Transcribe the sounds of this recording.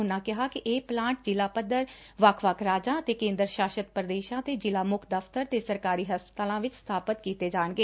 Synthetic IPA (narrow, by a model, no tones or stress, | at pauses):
ɦʊnãːkɪɦaːkɪʔeːplãːɳʈ̚d͡ʒɪlaːpəd̪əɾ | ʋəkʰʋəkʰɾaːd͡ʒãːət̪eːkẽːnd̪əɾʃaːʃət̪pɾəd̪eːʃãːt̪eːd͡ʒɪlaːmʊkʰd̪əpʰt̪əɾt̪eːsəɾkaːɾiːɦəspə̥t̪aːlãːʋɪt͡ʃst̪ʰaːpət̪kiːt̪eːd͡ʒaːɳɡeː